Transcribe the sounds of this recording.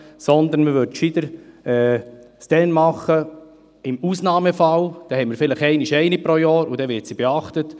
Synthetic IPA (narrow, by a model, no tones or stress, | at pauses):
sɔnd̪əɾnməvʏɾtʃid̥̪əɾɛːsd̥ɛnmɑχə | ɪmuːsnɑːməfɑld̥ɛhɛməɾfɪləχɛɪniʃɛɪnipɾojɑːɾudɛvɪɾtsib̥ɛɑχtət